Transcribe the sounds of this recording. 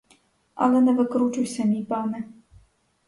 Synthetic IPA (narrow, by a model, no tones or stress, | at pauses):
a̰lɛnɛvɨkɾut͡ʃujsʲɐmʲipanɨ